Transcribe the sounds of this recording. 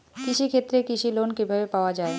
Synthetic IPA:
kiʃikʰet̪ːɾekiʃilonkibʱabepaoad͡ʑae

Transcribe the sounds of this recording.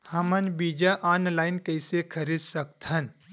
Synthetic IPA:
hɐmənbiːd͡ʒaʔaːnlaːɪnkəɪsekʰɐɾiːd̪sɐk̚t̪ʰən

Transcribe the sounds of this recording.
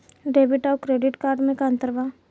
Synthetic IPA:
ɖeːbɪʈaːkɾeːɖɪʈkaːɾɖmẽkãːnt̪əɾʋaː

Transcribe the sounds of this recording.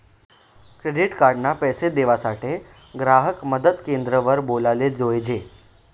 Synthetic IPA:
kɾeɖiʈkaɾɖnapɛsed̪eʋasaʈe | ɡɾaɦəkməd̪əd̪kend̪ɾəʋəɾbolaled͡zojd͡ʑe

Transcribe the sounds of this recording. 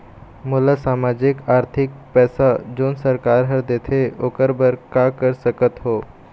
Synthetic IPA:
mulasamad͡ʑikaɾt̪ʰik̚pɛsad͡ʒoːnsəɾkaɾɦəɾd̪et̪ʰeokəɾbəɾkakəɾsəkət̪ɦoː

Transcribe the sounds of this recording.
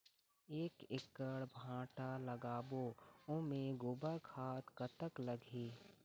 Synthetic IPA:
eːkɪkːəɽbʱãːʈaləɡaːboːʊ̃mẽɡʊbəɾkʰaːt̪kət̪əkləɡʱeː

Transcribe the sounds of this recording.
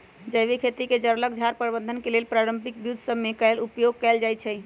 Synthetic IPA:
d͡ʒəjβekʰet̪iked͡ʒəɾlək̚d͡ʒʱaɾpəɾbə̃nd̪ʱənkelelpɾaɾəmpik̚bjud̪ʱsəbmekɛlupjoɡ̚kɛld͡ʒajt͡ʃʰɛ

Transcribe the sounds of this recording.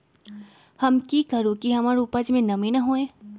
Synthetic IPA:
hɐmkikɐɾukiɦɐmaːɾupəd͡ʒmẽnɐmẽnɐɦoːẽː

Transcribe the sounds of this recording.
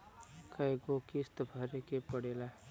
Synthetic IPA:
kəeɡokist̪bʱəɾekepəɽeːla

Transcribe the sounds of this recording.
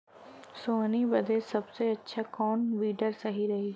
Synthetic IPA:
soːnibɐd̪ʱesɐbseɐtːʃʰakɔːnʋiːɖəɾsɐɦiɾɐɦiː

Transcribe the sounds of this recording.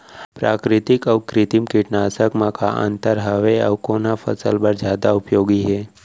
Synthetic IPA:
pɾaːkɾɪt̪ɪkəʋkɾɪt̪imkɪʈnaːsəkmãka̰ʔə̰̃nt̪əɾɦəʋeə̰ʋkonafʰə̰səlbəɾd͡ʒjaːd̪aʊpjoːɡiɦɛː

